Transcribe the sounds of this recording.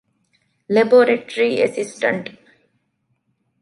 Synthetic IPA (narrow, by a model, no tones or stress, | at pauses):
leboːɾeʈɾiesisʈɐ̰ɳʈ